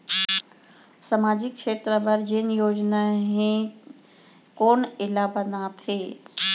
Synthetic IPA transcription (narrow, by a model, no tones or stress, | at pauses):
səmaːd͡ʒɪk̚t͡ʃʰeːt̪ɾəbəɾd͡ʒenjoːd͡ʒnaɦẽ | koːnɪlaːbədãt̪ʰeː